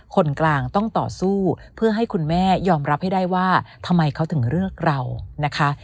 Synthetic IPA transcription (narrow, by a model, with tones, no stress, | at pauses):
kʰo˧nklaː˧ŋt̪ɔ˥˩ŋt̪ɔ̰ː˨˩suː˥˩pʰɯ˥˩ɐɦa˥˩jkʰu˧nmɛː˥˩jɔː˧mɾa˦˥p̚ha˥˩jda˥˩jwaː˥˩t̪ʰa˧mːa˧jkʰa˦˥wt̪ʰɯ˩˦ŋɾɯ˥˩əŋɾa˧wna˦˥kʰa˦˥